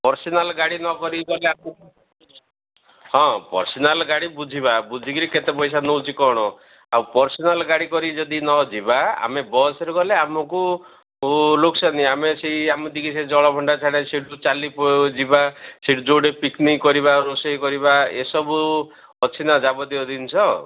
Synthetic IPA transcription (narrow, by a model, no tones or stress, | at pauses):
pɔɾsɔnalɡaɽinɔkɔɾiɡɔleamɔ | hɔ̃pɔ̰ɾsɔnalɡaɽibud͡ʒʱibabud͡ʒʱikiɾiket̪epɔjs̬anowt͡ʃʰikɔɽ̃ɔ | awpɔɾsɔnalɡaɽikɔɾid͡ʒɔd̪inɔd͡ʒibaa̰mebɔsɔɾuɡɔleamɔku | loksaniameseamud̪ikised͡ʒɔɭɔbʱɔɳɖat͡ʃʰaɽ̃eseɽut͡ʃalipɔd͡ʒibaseɽud͡ʒoɽepiknikːɔɾibaɾosɔjkɔɾibaḛsɔbu | ɔt͡ʃʰinad͡ʒabɔd̪iɔd̪int͡ʃʰɔ